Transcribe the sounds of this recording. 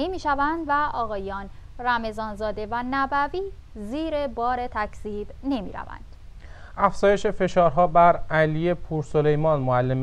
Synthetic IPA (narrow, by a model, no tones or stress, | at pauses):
imiːʃævænd̪væɒːɣɒːjɒːnræme̞zɒːnzɒːd̪e̞vænæbæviː | ziːɾe̞bɒːɾe̞t̪ʰæcʰz̥iːb̥ne̞mḭːɾæ̰væ̰nd̪̥ʔæfz̥ɒːje̞ʃe̞fe̞ʃɒːɾɦɒːbæɾælije̞pʰuːɾsole̞jmɒːnmoælːem